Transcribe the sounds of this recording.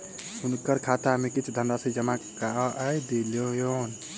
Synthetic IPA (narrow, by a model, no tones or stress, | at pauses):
unkəɾkʰat̪amekit͡ʃʰd̪ʱənd̪asəid͡ʒəmakaʔəjd̪eljojon